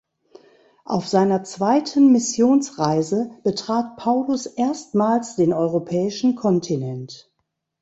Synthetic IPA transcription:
ʔa̰ʊfz̥aɪnɐt͡sv̥aɪtʰənmɪsjoːnsʁaɪzəb̥ətʁ̥aːt̚pʰaʊlʊsʔeːɐstmaːlsd̥eːnɔʏʁopʰɛːɪʃn̩kʰɔntʰinɛnt

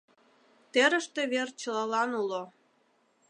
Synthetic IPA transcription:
t̪eɾə̆ʃt̪eβert͡ɕəlɑlɑnulo

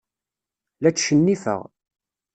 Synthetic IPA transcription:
læt͡sːʃənːifə̰ʁ

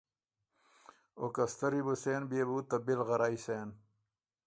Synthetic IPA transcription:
o̰kɐst̪ɐɾibuseːnbieːbuːt̪ɐbilʁɐɾaːiseːn

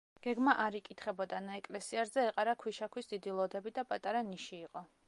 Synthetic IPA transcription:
ɡ̥ɛɡmaʔaɾikʼit̪ʰχɛbɔd̪anaɛkʼlɛsiaɾzɛːqʼaɾakʰwiʃakʰwisd̪id̪ilˠɔd̪ɛbid̪apʼat̪ʼaɾaniʃiːqʼɔ

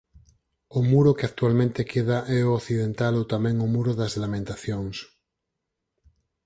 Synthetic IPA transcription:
omuɾokeak̚t̪ualmẽnt̪ekʰeð̞aʔɛooθið̞ent̪alot̪amẽŋomuɾoðazlamẽnt̪aθjoŋs

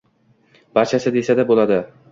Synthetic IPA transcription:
b̥aɾt͡ʃʰasɪd̪e̞sad̪abolˠad̪ɪ

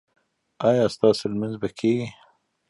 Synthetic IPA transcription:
ɑjɑst̪ɑselmanzbakʰeɡi

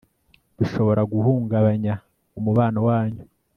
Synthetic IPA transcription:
d̥uʃo̞βo̞ɾaɡuhuːŋɡaβaɲa | umuβaːnowaːɲu

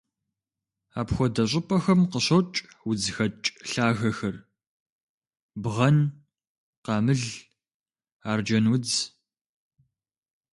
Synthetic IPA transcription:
aːpxʷɔdɐɕ̬ʼɪpʰʼɐxɐmqəɕɐwt͡ʃʼ | wʊd͡zxɐt͡ʃʼɬaːɣɐxɐr | bʁɐn | qɑːmɨɮ | aːrd͡ʒɐnwʊd͡z

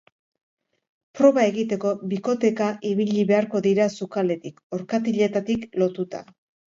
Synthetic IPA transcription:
pɾo̞βae̞ɣit̪e̞ko̞βiko̞t̪e̞kaʔiβ̞iʎiβe̞aɾko̞ðiɾasukale̞t̪iko̞ɾkat̪iʎe̞t̪at̪iklo̞t̪ut̪a̰

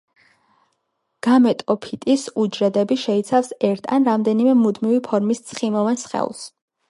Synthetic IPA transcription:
ɡ̥amɛt̪ʼɔpʰit̪ʼisud͡ʒɾɛd̪ɛbiʃɛit̪sʰafsɛɾt̪ʰa̰nɾamd̪ɛnimɛmud̪mivipʰɔɾmist̪sʰχimɔvɛnsχɛ̰ṵlˠs

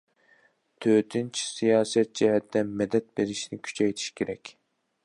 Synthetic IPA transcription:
t̪ʰøt̪ʰint͡ʃʰi̥sijɑːsɛt̪̚d͡ʒɛɦɛt̪ːɛmɛd̪ɛt̪̚beɾiʃnɪkʲʰy̥t͡ʃʰɛjt̪ʰi̥ʃkʲʰeɾɛkʲ

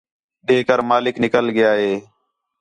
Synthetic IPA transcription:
ɗeːkəɾmaːlɪknɪkəlɡɪjaːɦeː

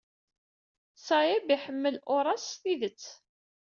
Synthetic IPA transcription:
sɑjæbiħəmːəlʔʊɾˤɑsθiðət͡sː

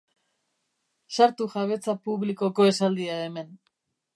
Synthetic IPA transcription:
saɾt̪uʝaβ̞e̞t͡sapuβliko̞ko̞e̞sald̪iaeme̞n

